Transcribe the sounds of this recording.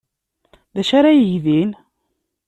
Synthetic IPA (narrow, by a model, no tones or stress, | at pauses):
ðæʃaɾajəjðin